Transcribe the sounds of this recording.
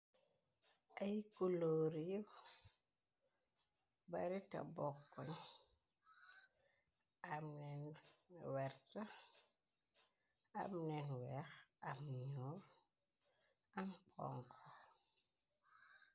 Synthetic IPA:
ʔajkuloːɾijuw | baɾita̰bɔkːɔn | amnɛnwɛɾta | a̰mnɛnwɛxamɲuɾ | amkʰɔ̰ŋkʰɔ

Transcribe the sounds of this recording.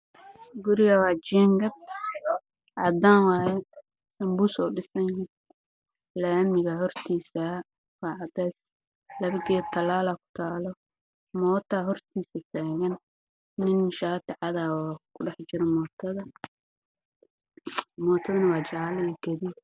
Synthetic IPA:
ɡʊɾɪɣɐwɑːt͡ʃiːŋɡɐt̪ | ʕɑ̰d̪anwɑːjɛ | sɐmbusɔːɖɪsɐnin | lɛːmɪɣɐɦɔrt̪ʰiːsɐ | wɑːʕɑd̪ɛs | lɐβɪɡɛt̪ʰɐlaːlakʰʊ̥t̪ʰaːlɔ | mɔːt̪ʰaɦɔrt̪ʰiːsɐt̪ʰaːɣɐnː | ɪnʃaːt̪ʰɪʕɑðakʰʊɖɑħt͡ʃɪɾɔmɔːt̪ʰɐðɐ | mɔːt̪ʰɐðɐnɐwɑːt͡ʃaaljɛɡ̥ɐði

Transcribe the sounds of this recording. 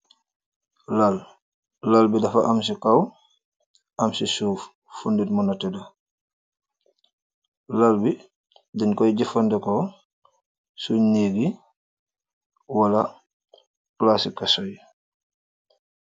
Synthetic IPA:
lalː | albidɐfa̰ʔams̬ikaw | ʔɐmsisuːf | funditmɔnatɛda | lalbi | dinkɔjɟifandɛkɔ | suɲneɡi | wala | klasikːasɔj

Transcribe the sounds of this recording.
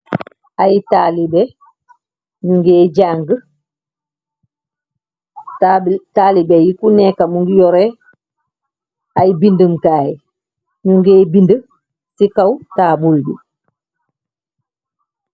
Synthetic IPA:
ajtalibe | ɲuŋɡeːɟaːŋɡə | taːlibejikunekamuŋɡijɔɾe | ajibindəmkaːji | ɲuŋɡeːbində | sikawtaːbulbi

